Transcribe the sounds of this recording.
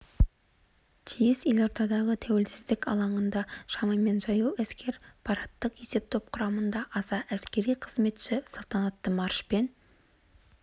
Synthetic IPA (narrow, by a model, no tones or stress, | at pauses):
t̪ʰijɪsje̞lo̞ɾt̪ɑd̪ɑʁət̪ʰæwe̞lsɪzd̪ɪkʲɑ̰lˠɑɴənd̪ɑʃɑmɑme̞nʒɑjuwæskʲe̞ɾpʰɑɾɑt̪ːəqe̞se̞p̚t̪ʰo̞p̚qʰʊɾɑmənd̪ɑʔɑsɑʔæskʲe̞ɾijqʰəzme̞t̪ʃɪsɑlˠt̪ɑnɑt̪ːəmɑɾʃpe̞n